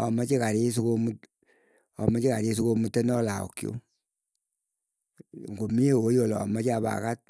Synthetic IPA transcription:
ɔ̰mɔt͡ʃikaɾis̬ukomut | ɔmɔt͡ʃikaɾisukomutːenɔlaɔ̰kjo̰ | ŋɡomiewojɔlɔ̰ːmat͡ʃaba̰kat̚

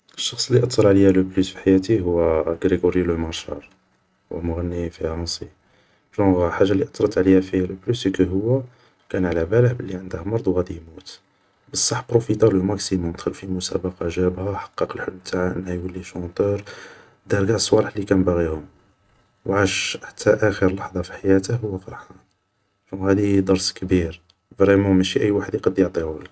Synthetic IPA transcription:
əʃːɑxsˤəlːiʔɑt̪ˤːɑɾˤʕlijæləplusfiħajæt̪iɦʊwːæɡɾiɡoɾjləmɑɾˤʃɑ̰ɾˤ | wʔə̰mʊɣænːifiɾɑnsi | ʒɑ̃ɣħaʒːalːiʔɑ̥t̪ˤːɾˤɑt̪ʕlihæfihæləblysəkəɦʊwːæ | kænʕlæbæləħbəlːiʕənd̪hmɑɾˤd̪ˤwɣæd̪imut̪ | bəsˤːɑħbɾufit̪ɑləmæksimʊmd̪xəlfimʊsæ̰bɑqɑʒæbhæħɑ̥qːɑqəlħʊlːmt̪ʰaʕaʔə̰nːhæjwəlːiʃɑ̃t̪ˤəɾ | d̪ɑɾɡæʔsˤwɑɾəħlikænbaɣihʊm | wʕaʃħḁt̪ʰːæʔæxəɾlɑħd̪ˤɑfi̥ħajæt̪əhhʊwːæfɑɾˤħɑn | ʃũhæd̪id̪ˤɑɾˤskbiɾ | vɾimɑmæʃiʔəjːwaħəd̪jqɑd̪jɑʕt̪ˤihʊli

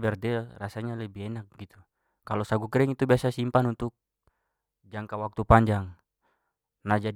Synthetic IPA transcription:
bɛrdɛrasaɲalɛbiɛnak̚ɡit̪u | kalɔsaɡukɾɛŋit̪ubiasasimpanunt̪uk̚ | d͡ʒaŋkawak̚t̪upaɲd͡ʒaŋ | nad͡ʒa

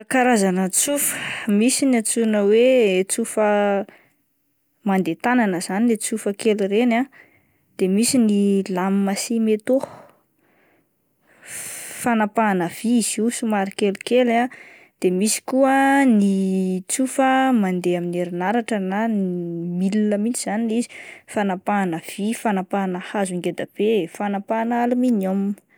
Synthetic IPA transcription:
kaɾazanət͡sufə̥misinat͡sunəwet͡sufə | mand̪et̪ananəz̥anilet͡sufəkelirena | d̪̥emisinilamimasimet̪o | fanapaːnəv̥izisumaɾikelukela | d̪̥emisi̥kuənit͡sufəmand̪eamineɾinaɾaʈ͡ʂənanimilinəmint͡siz̥aniizi̥fanapanəv̥ifanapanahaziŋɡed̪ab̥efanapanaluminam

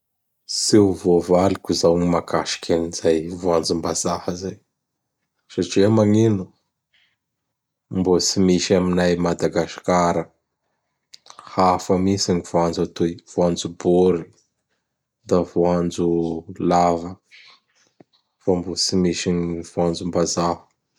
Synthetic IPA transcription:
sewvovalikʲuzawŋimakʰaʃi̥kʰʲanizajvoand͡zumbazahəzaj | saʈ͡ʂiamaŋinu | mbosimiʃaminajmad̪aɡaʃkaɾə | hafəmisiŋiv̥oand͡zat̪uiv̥oand͡zuboɾi | d̪avuand͡zulavə | fambot͡simiʃiŋiv̥uand͡zumbazahə̥

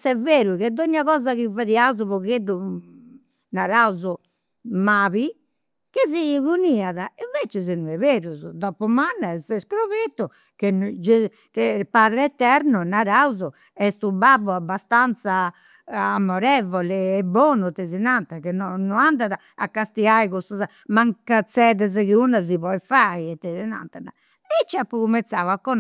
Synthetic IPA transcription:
sɛveːɾuɣɛd̪ːoɲːaɣɔːzaɣivaðiauzuβɔɣeɖːu | naɾauzu | maːβi | keziβuniaðaiɱveːt͡ʃɛzɛnuɛveːɾuzud̪ɔpɔmanːaɛsɛskɾoβet̪ːu | ked͡ʒe | kɛpaːðɾɛɛt̪ːɛɾnunaɾauzu | ɛst̪ubabuabːast̪ant̪saː | mːɔɾɛvɔlɛːbːɔːnut̪ezinant̪akenɔnːuand̪aða | a̰kːast̪iɣajɣust̪uza | maŋkat̪sɛðɛzɛkiunaziβɔjfaiɛt̪ːɛzina̰nt̪ana | ɛt͡ʃːiapːukumɛnt̪saːakːɔn

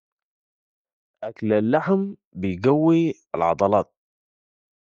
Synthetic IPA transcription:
ʔaklalːaħm | bɪjɡawːi | ɪlʕɑ̰d̪ˤɑlɑːt̪̚

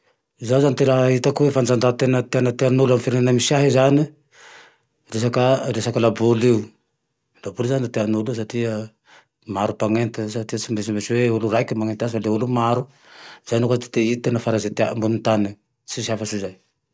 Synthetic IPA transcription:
zazanit̪elait̪akuefansand̪at̪enat̪eanat̪eanuluamfiɾnanamisiaɦezani | ɾesakaɾesakalabuliu | labuluzanat̪eanulus̬at̪ia | maɾupaŋent̪esatiasimesimeseuluɾajkimaŋent̪easfaleulumaɾu | zanokat̪e̥t̪eit̪enafaɾazet̪ambunut̪ani | sisiafasizaj

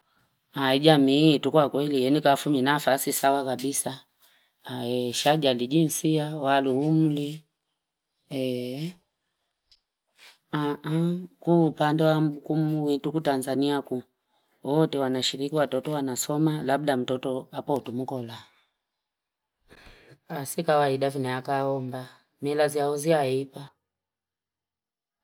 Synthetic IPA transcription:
aid͡ʒamiːtukwakwɛlijɛnikafuminafasisawakabisa | ɛʃaʄalid͡ʒinsiawaluhum̩li | ɛ | aakuːpandɛwam̩bukumuwitukutanzaniaku | ɔtɛwanaʃiɾikiwatɔtɔwanasɔmalab̚dam̩tɔtɔapɔtum̩kɔla | asikawaiɗavinaakaɔmba | mɛlaziaɔziaipa

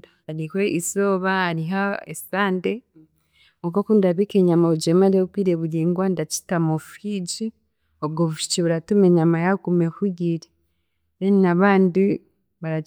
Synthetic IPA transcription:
ɾikweʔisoβaːɾiɦaḛsaːnde | ukokundaβikeɲamaud͡ʒemaɾiokwiːɾeβuɾiːŋɡwandat͡ʃi̥tamofid͡ʒi | obɡoβuʃu̥t͡ʃiβuɾatumeɲamajaɡumekuɡiɾe | βeninaβaːndi | βaɾa

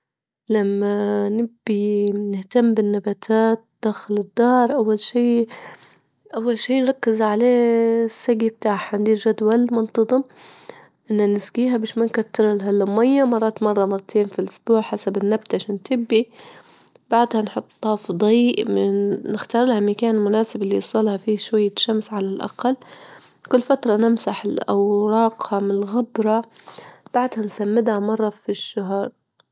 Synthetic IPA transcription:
lamːanɪbːinɪht̪amːbɪnːabaːt̪ʰaːt̪̚d̪̥aːxɪlɪd̪ːɑːɾˤʔawːalʃiː | ʔawːalʃiːnɾˤɑkːɪzʕaleːsːaɡib̚t̪aːħhand̪iːlʒad̪walmʊnt̪ˤɑðˤɨm | ʔɪnːanɪsɡiːɦabiːʃmankat̪ːɪɾˤɪlɦalːamajːamɑrˤːɑːt̪mɑrˤːɑmɑrˤːɑt̪ʰeːnfilʔʊsbuːʕħasabɪnːab̚t̪aʔaʃaːnt̪ʰɪbːi | b̥aʕd̪hanħʊt̪ˤːɑfd̪ˤiːʔnɪxt̪ɑːɾˤɪlhamakaːnlmʊnaːsɪbɪlːiɑsˤɑlhafiːʃwajːaʃamsʕalalʔa̰qalː | kʊlːfat̪ɾˤɑnɪmsaħɪlʔa̰wɾˤɑːqhɑmnɪlɣabɾˤɑ | b̥aʕd̪hansamːɪd̪hamɑrˤːɑfiʃːaɦɑɾˤ

